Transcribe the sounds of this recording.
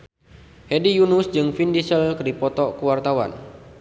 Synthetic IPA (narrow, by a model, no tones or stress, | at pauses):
hedijunusd͡ʒɨŋfindisəlkədipɔt̪ɔʔkəwart̪awa̰n